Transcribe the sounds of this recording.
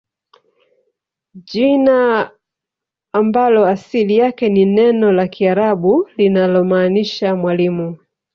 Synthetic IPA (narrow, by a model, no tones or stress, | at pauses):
ʄina | mbalɔasilijakɛninɛnɔlakʰiaɾaɓulinalɔmaːniʃamwalimu